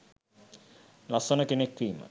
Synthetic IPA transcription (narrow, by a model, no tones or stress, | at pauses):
lasonəkenekːiːmə̰